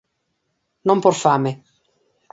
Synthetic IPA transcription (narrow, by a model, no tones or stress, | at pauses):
nomporfaːme